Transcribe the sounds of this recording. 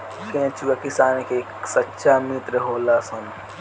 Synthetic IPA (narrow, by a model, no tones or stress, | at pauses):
kẽt͡ʃʰuɐkisaːnkeksɐtːʃʰamit̪ɾəɦoːlasɐn